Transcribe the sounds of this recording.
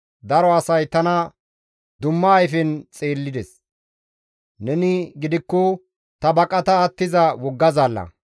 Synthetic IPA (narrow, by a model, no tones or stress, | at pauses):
d̪ɐɾɔɐsɐjt̪ɐnɐ | d̪ʊmːɐːjfɛnt͡sʼeːlːɪd̪ɛs | nɛnɪɡɪd̪ɪkːɔ | t̪ɐbɐkʼɐt̪ɐːt̪ːɪzɐwɔɡːɐzaːlːɐ̰